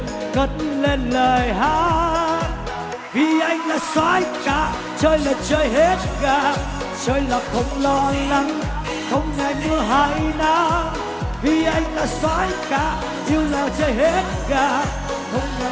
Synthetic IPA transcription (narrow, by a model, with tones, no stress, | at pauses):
kə˨˦nle˧nləː˨˩jɦaː˧˦ | vi˨˩ʔa˧jŋlaː˨˩swaː˨˦jkaː˧˩˦ | t͡ɕəː˧jlaː˨˩t͡ɕəː˧jɦe˦˥t̚ɣaː˧˨˩ | t͡ɕəː˧jlaː˨˩xə˧˦wŋ͡mlɔ˧la˧˦ŋ | xə˧wŋ͡mŋa˧˩jmɨ˧əɦa˧˩˦jnaː˧˦ | vi˨˩ʔa˧jŋ̟laː˨˩swaː˧˦jkaː˧˩˦ | ɲi˧wlaː˨˩t͡ɕəː˧jhe˦˥t̚ɣaː˧˩˨ | xə˧wŋ͡mŋ˧